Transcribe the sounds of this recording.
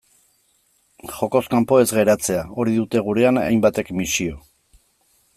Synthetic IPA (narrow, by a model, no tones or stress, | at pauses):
xo̞ko̞skampo̞e̞zɣe̞ɾat͡se̞ao̞ɾiðut̪e̞ɣ̞uɾe̞ana̰jmbat̪e̞kmisio̞